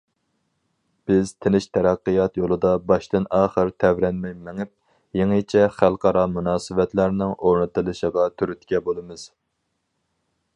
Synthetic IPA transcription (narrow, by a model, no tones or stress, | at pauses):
b̥ɪz̥t̪ʰɪnɪʃt̪ʰɛɾæqːɨjɑt̪jolˠɨd̪ɑbɑʃt̪ɨnɑːχəɾt̪ʰɛvɾɛnmɛjmɛŋɪp̚ | jeŋɨt͡ʃʰɛχælˠqʰɑɾɑmunɑːsɨvɛt̪læɾnɪŋoɾnɨt̪ɨlˠɨʃəʁɑt̪ʰyɾyt̪kʲɛbolˠɨmɨz̥